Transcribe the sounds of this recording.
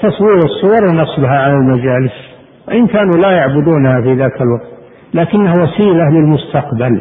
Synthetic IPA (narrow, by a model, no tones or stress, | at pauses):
t̪ɑsˤwiːɾɨsˤːʊwɑɾˤnɑsˤbaɦaʕalalmad͡ʒaːlɪs | wɪʔɪnkaːnulajaʕbʊd̪uːnhafiðaːkalwɑɡt̪ | laːkɪnːahawasiːlalɪlmʊst̪aqbal